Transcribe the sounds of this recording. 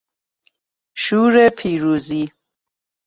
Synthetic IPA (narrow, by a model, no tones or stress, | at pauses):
ʃuːɾepʰiːɾuːzi